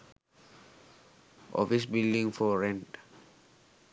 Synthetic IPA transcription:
ʔɔ̰fisbildĩŋfɔɹɛ̃nt

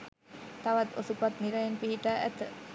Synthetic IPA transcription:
t̪aʋat̪o̰supat̪niɾajenpiɦiʈaːʔæ̰t̪ə

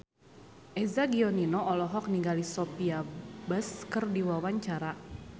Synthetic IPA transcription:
ʔɛzaɡiɔninɔʔɔlɔɦɔk̚niŋɡalisɔpiabaskɨrdiwawaɲt͡ʃaɾa

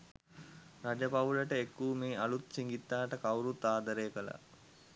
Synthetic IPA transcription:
ɾad͡ʒəpauləʈəekːuːmeːalut̪siŋɡit̪ːaːʈəkawɾut̪ːaːd̪əɾeːkəla̰

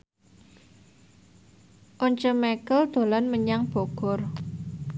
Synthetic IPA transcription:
ʔɔɲt͡ʃəmɛkəld̪̥o̤lanməɲaŋb̥o̤ɡ̥ɔ̤r

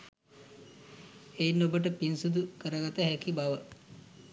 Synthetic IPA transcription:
ejnobəʈəpinsud̪ukəɾəɡat̪əɦækibaʋə

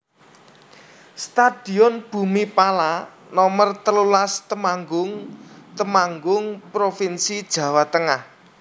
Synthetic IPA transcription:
st̪ad̪̥i̤ɔnb̥ṳmipala | nɔmərt̪əlulast̪əmaŋɡʊŋt̪əmaŋɡʊŋpɾofinsid̥ʒ̥ä̤wat̪əŋah

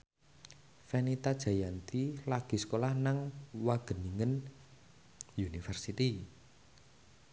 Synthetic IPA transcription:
fɛnit̪ad̥ʒ̥a̤jant̪ilaɡ̥i̤sə̥kolahnaŋwaɡ̥ə̤niŋən | junifɛrsit̪i

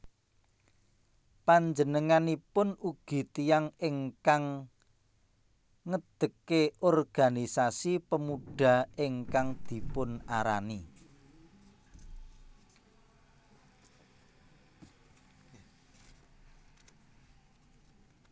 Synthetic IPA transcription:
paɲd͡ʒənəŋanipʊnuɡ̥i̤t̪ijaŋɪŋkaŋ | əd̪̥ə̤keʔɔrɡ̥a̤nisasipəmuɖ̥a̤ɪŋkaŋd̪̥i̤pʊnaɾa̰ni

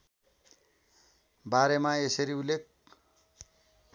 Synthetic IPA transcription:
baɾemaesʌɾiulːek̚

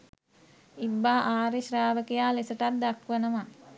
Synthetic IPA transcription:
ibːaːʔaːɾeʃraːʋəkejaːlesəʈat̪̚d̪akʋənəma

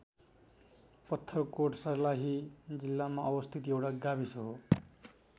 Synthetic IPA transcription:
pʌt̪ʰːʌrkoʈsʌrlaɦid͡zilːamaʔʌbʌst̪ʰit̪iewʈaɡabisʌɦo

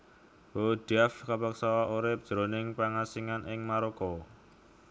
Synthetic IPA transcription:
wod̥afkapaksawaʔuɾɪp̚ʒ̥ɾonɪŋpaŋasiŋanʔɪŋmaɾɔkɔ

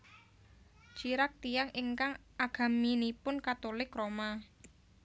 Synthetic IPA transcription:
d͡ʒ̥iɾak̚t̪ijaŋɪŋkaŋʔaɡ̥a̤minipʊnkat̪olɪkɾoma

